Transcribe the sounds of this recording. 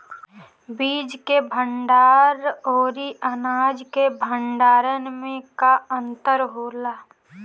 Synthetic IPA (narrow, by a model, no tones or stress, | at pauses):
biːd͡ʒkebʱə̃ɳɖaːɾoːɾiʔənaːd͡ʒkebʱə̃ɳɖaːɾənmẽkaə̃nt̪əɾɦoːlaː